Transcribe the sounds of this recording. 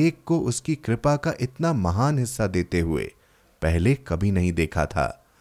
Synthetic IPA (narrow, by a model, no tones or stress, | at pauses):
eːkːoʔʊskikɾɪpakaʔɪt̪namɐɦaːnɦɪsːad̪eːt̪eɦʊḛː | pɛɦlekɐbʱinɐɦĩd̪eːkʰa̰t̪ʰa̰ː